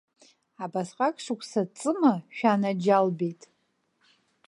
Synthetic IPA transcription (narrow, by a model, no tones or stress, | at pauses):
abasqʼakʼʂɨkʷʰʼsat͡sʼɨmaʃᶣanad͡ʒalbejtʼ